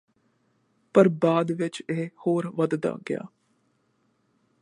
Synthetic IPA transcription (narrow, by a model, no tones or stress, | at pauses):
pɐɾbaːd̪ʋɪt͡ʃeːhoːɾʋɐd̪d̪a̰ːɡja̰ː